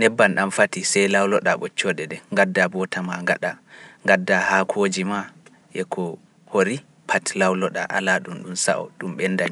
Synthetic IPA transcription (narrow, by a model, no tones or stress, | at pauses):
nɛbːanɗamfatisɛjlawlɔɗaɓɔt͡ʃːɔdɛdɛŋɡadːabɔtamaŋɡaɗaŋɡadːahakʰoːd͡ʒima | ʔɛkʰɔ | hoɾi | pʰatlawlɔɗa̰ʔa̰laɗumɗumsa̰ʔɔ̰ɗumɓɛnːdaɲ